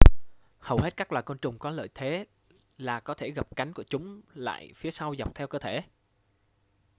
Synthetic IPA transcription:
hə˨˩whe˦˥t̚kaː˦˥k̚waː˨˩jko˧nt͡ɕʊ˨˩ŋ͡mkɔ˨˦lə̰ː˧˨jt̪ʰe˨˦ | laː˨˩kɔ˨˦t̪ʰe˧˩ɣə˨˩p̚ka˨˦jŋ̟ku˧˩ət͡ɕʊ˨˦ŋ͡mla̰ː˧˨jfi˨˦əsa˧wza˨˩k͡p̚t̪ʰɛ˧wkəː˧t̪ʰe˧˩

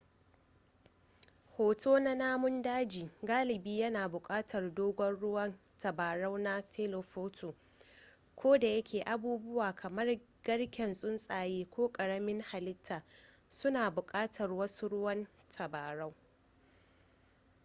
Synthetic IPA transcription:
hoː˨tʰoː˦na˦naː˦mʊ˦ndaː˦d͡ʒiː˨ɡaː˦lɪ˨biː˦jɐ˦naː˨bʊ˨kʼaː˦tʰɐ˨rdoː˦ɡʷɔ˦nɽʊ˦wɐ˦n | tɐ˨baː˨ɽɐ˦wna˦tʰe˦lo˨ɸoː˦tʰoː˨ | kʰʷoː˦da˨jɐ˦kʲeː˨ʔa˨buː˦bʊ˦waː˨kʰɐ˨mɐ˦r | ɡ̥ɐ˦ɽkʲɛ˨nsʼʊ˦nsʼaː˨jeː˦kʷoː˦kʼɐ˨ɽɐ˦mɪ˦ŋha˨lɪ˦tʰːaː˨sʊ˦naː˨bʊ˨kʼaː˦tʰɐ˨rwɐ˦su˦ɽʊ˦wɐ˦n | tʰɐ˨baː˨ɽa˦w

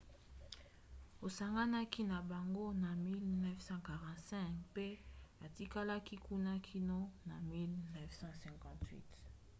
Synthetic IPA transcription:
o˨sa˨ŋɡa˦na˦ki˦na˨ba˨ŋɡo˦na˨mi˦lnɛ˦fsɑ̃˦ka˨ʁɑ̃˨tsɛ̃˦kpe˦a˨ti˦ka˦la˦ki˦ku˦na˦kʰi˦no˦na˨mi˦lnɛ˦vsɑ̃˦sɛ̃˨kɑ̃˨twḭ˦t

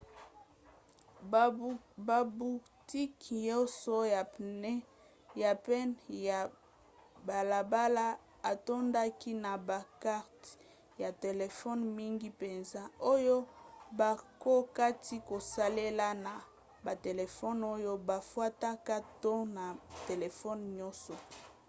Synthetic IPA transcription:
ba˨bu˨ | ti˦kjo˦so˦ja˨n˦ | ja˨pɛ˦na˨ | ba˨la˨ba˦la˦ | a˨to˦nda˦ki˦na˨ba˨ka˦ʁt | ja˨te˨le˨fɔ˦nmi˦ŋɡi˦pe˨nza˦o˦jo˦ba˨ko˦ka˦ti˦ko˨sa˦le˦la˦na˨ | ba˨te˨le˨fɔ˦no˦jo˦ba˨fwa˦ta˦ka˦to˦na˨te˨le˨fɔ˦nɲɔ˦sɔ˨

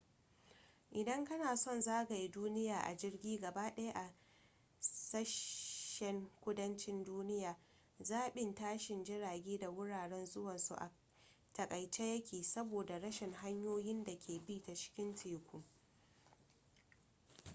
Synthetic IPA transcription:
ʔɪ˨dɐ˦ŋkɐ˦naː˨sɔ˦˨nzaː˦ɡa˨ji˦duː˦nɪ˦jaː˨ʔa˨d͡ʒɪ˦rɡʲiː˦ɡɐ˨baː˦ɗɐ˦ja˦ʔa˨ | sɐ˦ʃʃɛ˨ŋkʷʊ˦dɐ˦nt͡ʃɪ˦nduː˦nɪ˦jaː˨ | zaː˦˨ɓɪ˦ntaː˦ʃɪ˨nd͡ʒɪ˦ɽaː˨ɡʲeː˦da˨wʊ˦ɽaː˨ɽɛ˦nzʊ˦wɐ˨nsṵ˨ʔa̰˨ | tɐ˨kʼɐ˨jt͡ʃe˦jɐ˦kʲʰeː˨sɐ˦boː˨da˨ɽɐ˦ʃɪ˨ŋɦa˦ɲjoː˦jɪ˦nda˨kʲʰeː˨biː˦ta˨t͡ʃɪ̥˦kʲɪ˦ntʰiː˨kʷʊ˦˨ŋ

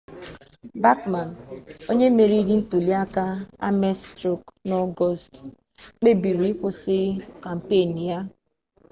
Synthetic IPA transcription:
ba˦kma˨n˨o˦ɲe˦me˨ɾi˦di˦n̩˦tu˨li˦a˦ka˦a̰˦mɛ˦stɾu˦knɔ˦ɡɔ˦st | k͡pe˦bi˨ɾi˨˦kʷʊ˦sɪ˦ka˨m̩˨pe˦˨ni˨ja˦

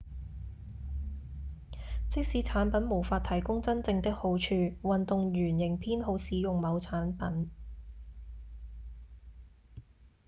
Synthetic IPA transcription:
t͡sɪ˥k̚siː˧t͡sʰaː˨˥npɐ˨˥nmo˨˩wfaː˧t̚t̪ʰɐ˨˩jkʊ˥ŋt͡sɐ˥nt͡sɪ˧ŋt̪ɪ˥k̚ho˨˥wt͡ʃʰyː˧wɐ˨nt̪ʊ˨ŋɥyː˨˩njɪ˨˩ŋpʰiː˥nɦo˧wsiː˨˥jʊ˨ŋmɐ˨˧wt͡sʰaː˨˥npɐ˨˥n

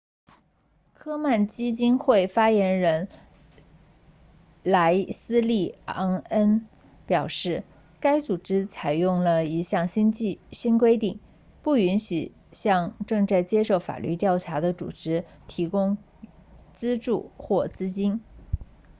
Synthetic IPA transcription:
kʰɤ˥ma˥˩nt͡ɕi˥t͡ɕi˥nxwe˥˩ɪfa˥jɛ˧˥nɻə˧˥n | la˧˥ɪsɹ̩˥li˥˩a˥ŋə˥n | pjɑ˨˩ʊʂɻ̩˥˩ | ka˥ɪt͡su˨˩ʈ͡ʂɻ̩˥t͡sʰa˨˩ɪjʊ˥˩ŋlə˩i˧˥ɕjɑ˥˩ŋɕi˥nt͡ɕɕi˥nk̬we˥ɪt̪i˥˩ŋ | pu˥˩y˧˥nɕy̰˨˩ | ɕjɑ˥˧ŋʈ͡ʂɤ˥˧ŋt͡sa˥˩ɪt͡ɕjɛ˥ʂo˥˩ʊfa̰˨˩ly̰˥˧t̪jɑ˥˩ʊʈ͡ʂʰa˧˥d̪ə˧t͡sṵ˨˩ʈ͡ʂɻ̩˧˥t̪ʰi˧˥kʊ˥ŋ | t͡sɹ̩˥ʈ͡ʂṵ˥˩xwɔ˥˩t͡sɹ̩˥t͡ɕi˥n

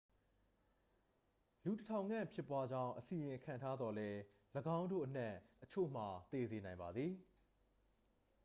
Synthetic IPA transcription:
lu˨tətʰã˨ʊ̃ŋã̰˦˨mpʰjɪ˦˨pːwa˦d͡ʑã˦ʊ̃ʔəsi˨jɪ̃˨kʰã̰˦˨ntʰa˦d̪ðɔ˨lɛ˦ | ləɡã˦ʊ̃ndo̰˦˨ʔənɛ˦˨ʔət͡ɕʰo̰˦˨m̥a˨t̪e˨ze˨nã˨ɪ̃mba˨d̪ði˨

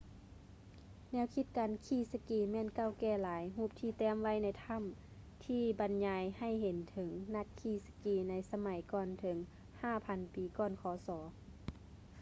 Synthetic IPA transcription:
nɛː˧˥˨wkʰi˧t̪̚kaː˨nkʰiː˧˩˨sa˧kiː˧˩mɛː˧˥˨nka˧˩˨wkɛː˧˩laː˨˦jɦuː˧˩p̚t̪ʰiː˧˩t̪ɛː˧˥˨mʋa˧˥˨jna˧˩jt̪ʰa˧˥˨m | t̪ʰiː˧˩ba˨nɲaː˨˧˦jha˧˩˨jɦe˨˦nt̪ʰɤ˨˦ŋna˧t̪̚kʰiː˧˩sḁ˧kiː˧˩na˧˥jsa˧ma˨˦jkɔː˧˨nt̪ʰɤ˨˦ŋ | haː˧˩pʰa˧˦npiː˨˦kɔː˧˨nkʰɔː˨˦sɔː˨˦

